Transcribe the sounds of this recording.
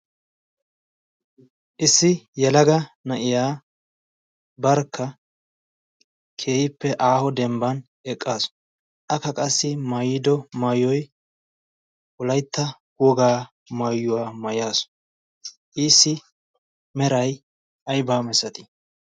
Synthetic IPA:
ʔɪsːɪjɛlɐɡɐnɐʔɪjaː | bɐɾkʰːɐ | kʰe̞ːhɪpːɛʔaːhɔd̪ɛmbɐn | ɛkʼːaːs | ʔɐkːɐkʼɐsːɪmɐjɪd̪ɔmɐjːɔj | wʊlɐjt̪ːɐ | wɔɡaː | mɐjːʊwaːmɐjaːs | ʔiːsːɪ | mɛɾɐj | ʔɐjbaːmɛsɐt̪ɪ̥

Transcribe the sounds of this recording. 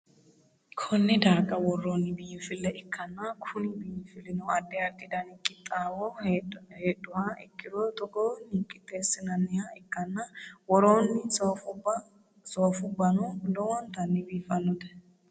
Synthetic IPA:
kʰɔnːɪd̪aːkʼɐwɔrːoːnːɪbɪjːɪfɪlːɛʔɪkʰːɐnːɐkʰʊnɪbɪjːɪfɪlːɪnɔɐd̪ːɛɐɾt̪ːɪd̪ɐnɪkʼːɪt̪ʼːaːwɔheːɗʊwaʔɪ̰kːɪd̪ɔt̪ʼɔɡɔːniːkʼːɪt̪ːeːsɪnɐnːɪjaɪkːɐnːɐwɔɾoːnːɪsfʊbɐ | soːfʊbːɐnʊlɔwɔnt̪ɐnːɪbiːfɐnːʊd̪ɛ̥

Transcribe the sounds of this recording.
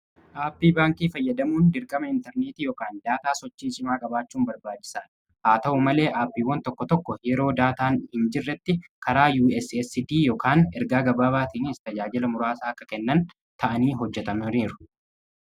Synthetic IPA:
ʔaːpːiːbaːŋkiːfɐjːɐd̪ɐmuːnd̪ɪɾkʼɐmɐɪnt̪ɛɾneːt̪iːjɔkaːnd̪aːt̪aːsɔt͡ʃːiːt͡ʃʼɪmaːkʼɐbaːt͡ʃːuːmbɐɾbaːt͡ʃːɪ̥saːᶑ | haːt̪ɐʔʊmɐle̞ːʔaːpːiːwɐnt̪ɔkːɔt̪ɔkːɔjɛɾo̞ːd̪aːt̪aːnhɪnd͡ʒɪrːɛt̪ːɪkɐɾaːjuːɛsɛsɪd̪iːjɔkaːnɛɾɡaːɡɐbaːbaːt̪iːnɪst̪ɐd͡ʒaːd͡ʒɪlɐmʊɾaːsaːɐkːɐkɛnːɐn | t̪ʰɐʔɐniːɦɔd͡ʒːɛt̪ɐmɐniːɾʊ̥

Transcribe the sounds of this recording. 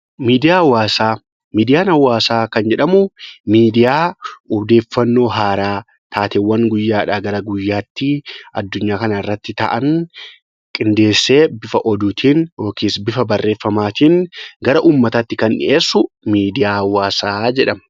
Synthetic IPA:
miːd̪ɪjaːwːaːsaː | miːd̪ɪjaːnɐwːaːsaːkɐnd͡ʒɛᶑɐmʊmiːd̪ɪjaːʊbd̪e̞ːfːɐnːo̞ːɦaːɾaː | t̪ʰaːt̪ɛwːɐŋɡʊjːaːᶑaːɡɐɾɐɡʊjːaːt̪ːɪɐd̪ːʊɲːaːkɐnɐɪrːɐt̪ːɪt̪ɐ̰ʔɐn | kʼɪnd̪e̞ːsːeːbɪfɐʔɔd̪uːt̪ʰiːnjo̞ːkʰiːsbɪfɐbɐrːʔe̞ːfːɐmaːt̪iːnɡɐɾɐʔuːmːɐt̪ɐt̪ːɪkɐnːɪ̰ʔeːsːʊ | miːd̪ɪjaːwːaːsaːd͡ʒɛᶑɐmɐ

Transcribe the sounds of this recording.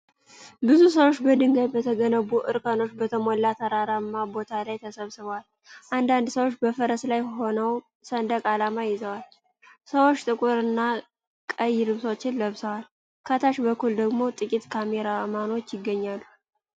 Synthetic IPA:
bɨzus̬əwo̞t͡ʃːbəd̪ɨŋɡəβbət̪ʰəɡənəβuʔɨɾkʼəno̞t͡ʃːbət̪ʰəmolːat̪ʰaɾaɾamːabo̞t̪ʰalajt̪ʰəsəβsɨβwal | ʔand̪and̪səwot͡ʃːbəfəɾəslajho̞nəw | sənd̪əkʼalamajɪzəwal | səwo̞t͡ʃːt̪ʼɨkʼuɾɨnːa | kʼəjːɪɾɨβso̞t͡ʃːɪnləβsəwal | kʰat̪ʰaʃbəkːuld̪əɡmo̞t̪ʼɨkʼit̪kʰameɾamano̞t͡ʃːjɪɡːəɲːalːu

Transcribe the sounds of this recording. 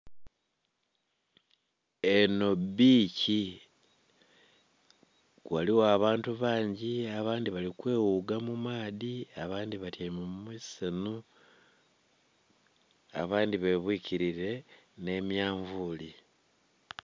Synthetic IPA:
eno̞biːci | waliwoaβaːntuβaːɲɟiaβaːndiβalikwe̞ːwuɡamumaːðiaβaːndiβatjamumisenu | a̰βaːndiβe̞βwiciɾiɾe̞ | ne̞mjaːɱvuli

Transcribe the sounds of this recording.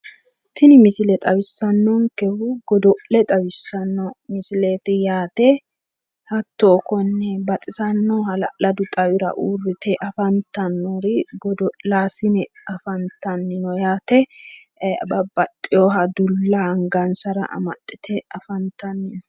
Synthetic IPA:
t̪ʰɪnɪmɪsɪlɛt̪ʼɐwɪsːɐnːɔŋkɛhʊɡɔd̪ɔʔlɛt̪ʼɐwɪsːɐnːɔmɪsɪleːt̪ɪjaːt̪ɛ | hɐt̪ːoːkɔnːɛbɐt͡sʼɪsɐnːɔhɐlɐʔlɐd̪ʊt̪ʼɐwɪɾɐ̰ʔuːrːɪt̪ɛʔɐfɐnt̪ɐnːɔɾɪɡɔd̪ɔʔlaːsɪnɛɐfɐnt̪ɐnːɪnɔjaːt̪ɛ | bɐbɐt̪ʼːɪjoːɦɐd̪ʊlːɐŋɡɐnsɐɾɐ̰ʔɐ̰mɐ̰t̪ʼːɪt̪ʰɛɐfɐnt̪ɐnːɪnɔ

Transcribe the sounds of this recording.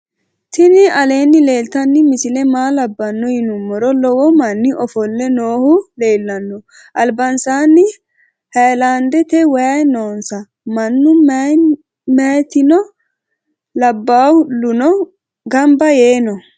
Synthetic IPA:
t̪ɪnɪʔɐle̞ːnːɪle̞ːlt̪ɐnːɪmɪsɪlɛmaːlɐbːɐnːɔjɪnʊmːɔɾɔlɔwɔmɐnːɪʔɔfɔlːɛnoːhʊle̞ːlːɐnːɔ | ʔɐlbɐnsaːnːɪ | hɐjland̪ɛt̪ɛwɐjɐjnoːnsɐ | mɐnːʊm | majt̪ɪnɔ | lɐbːaːhʊlːʊnɔ | ɡɐmbɐje̞ːnɔ

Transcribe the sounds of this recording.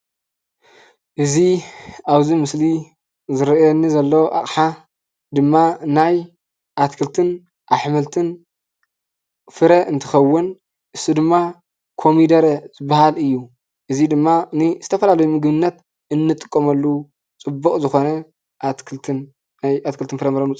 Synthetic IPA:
ʔɨziaβzimɨsli | zɨɾɐjonːizɐlːɐwʔa̰χʼħa | d̪ɨmːanaj | ʔat̪kʰɨlt̪ʰɨn | ʔaħmɐlt̪ʰɨn | fɨɾɐʔɨnt̪ʰɨxɐwːʊn | ʔɨsid̪ɨmːa | kʰo̞mid̪ɐɾɐzɨbahalɨjːu | ʔɨzid̪ɨmːaniz̥ɨt̪ʰɐfɐlalɐjumɨɡβɨnːɐt̪ | ɨnːɨt̪ʼɨ̥kʼːɐmɐlːu | t͡sʼɨbːuχʼzɨxo̞nɐ | ʔat̪kʰɨlt̪ʰɨn | ajat̪kʰɨlt̪ʰɨnfɨɾɐmɐɾɐnut͡sʼ

